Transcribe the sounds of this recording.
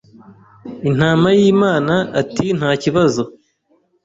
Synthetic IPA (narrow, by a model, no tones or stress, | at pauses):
in̥aːmajiːmaːnaːtin̥haːciβazo